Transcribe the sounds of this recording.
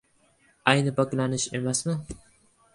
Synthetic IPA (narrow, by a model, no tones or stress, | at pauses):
ajnɪpaklanɪʃḛmasmɪ